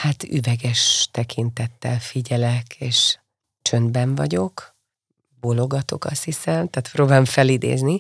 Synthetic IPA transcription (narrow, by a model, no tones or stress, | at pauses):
hat̪y̰vɛɡɛʃt̪ɛkʰint̪ɛt̪ːɛlfiɟɛlɛkʰeːʃ | t͡ʃø̞nd̪bɛɱvɒ̰ɟo̞k | bolo̞ɡɒt̪o̞̰kɒ̰shisɛmt̪aːt̪proːbaːloɱfɛlid̪ḛːzni